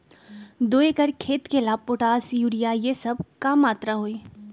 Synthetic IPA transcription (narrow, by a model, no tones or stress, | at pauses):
d̪oːekəɾkʰeːt̪kelaːpoʈaːsjuːɽijajesɐb̚kamaːt̪ɾaɦoːiː